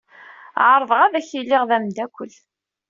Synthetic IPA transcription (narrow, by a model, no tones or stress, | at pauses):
ʕəɾˤðəʁæðæçilːɪʁðæmd̪ækʷːəl